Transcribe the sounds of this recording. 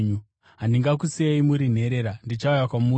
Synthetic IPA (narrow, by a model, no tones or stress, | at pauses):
ɲu | ɦandiŋɡakusieimuɾin̤e̞ɾe̞ɾandit͡ʃaujakwamu